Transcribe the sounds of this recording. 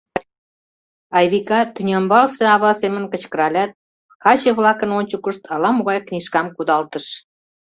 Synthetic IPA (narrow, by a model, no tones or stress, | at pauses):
ɑjβikɑt̪ynʲɑmbɑlsĕɑβɑsemənkə̆t͡ɕkə̆ɾɑlʲɑt̪̚ | kɑt͡ɕeβlɑkənonʲt͡ɕəkəʃt̪ʰɑlɑmoɣɑjkniʃkɑmkud̪ɑlt̪əʃ